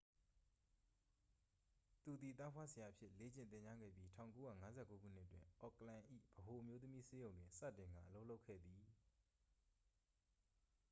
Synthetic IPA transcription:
t̪u˨d̪i˨t̪a˦pʰwa˦səja˨ʔəpʰjɪ˦˨le˦d͡ʑɪ̃˨nt̪ɪ̃˨ɲd͡ʑa˦ɡɛ̰˦˨pji˦tʰã̰˦˨ʊ̃ŋko˦jä̰˦˨ŋa˦zɛ˦˨ko˨˦ɡṵ˦˨n̥ɪ˦ʔətwɪ̰̃˨ʔɔ˨kəlã˨ʔḭ˦˨b̥əɦo˨ʔəmjo˦t̪̬əmi˦se˦jõ˨ʊ̃ndwɪ̃˨nsä̰˦˨tɪ̃˨ŋɡã̰˦˨ʔəlo˦ʔlo˦ʊkʰːɛ̰˦˨d̪i˨

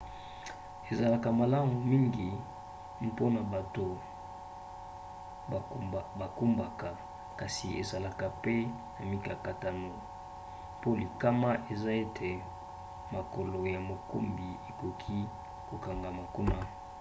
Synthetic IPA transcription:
e˨za˨la˨ka˨ma˨la˦mu˨mi˦ŋɡi˨ | po˦na˨ba˨to˨ | ba˨ku˦mba˨ka˨ | ka˨si˨ʔe˨za˨la˨ka˨pe˦ | na˨mi˨ka˨ka˨ta˨no˨ | po˦li˨ka˦ma˦ʔe˨za˦e˦tʰe˨ | ma˨ko˨lo˨ja˨mo˨ko̰˦mbi˨e˨ko˨kʰi˦ | ko˨ka˨ŋɡa˨ma˨ko˦na˦

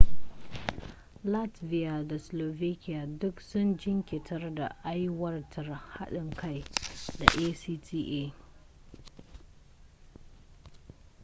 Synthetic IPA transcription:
la˦tvɪ˨ja˨da˨sloː˨veː˦kʲɪ˦ja˨dʊ˦ksʊ˦nd͡ʒɪ˦ŋkʲɪ˨tʰɐ˦rda̰˨ʔa˦jwɐ˦rtʰɐ˨rha˦ɗɪ˨ŋka˦jda̰˨ʔeː˦siː˦tiː˦ʔe˦

